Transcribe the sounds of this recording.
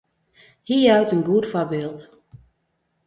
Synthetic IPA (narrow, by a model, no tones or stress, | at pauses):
hiːəɾœɥtənɡuətfabɪːlˠt